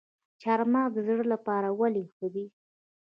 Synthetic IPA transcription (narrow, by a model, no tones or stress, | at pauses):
t͡ʃaɾmɑɡ̪zɽəlapɑɾawalixəd̪i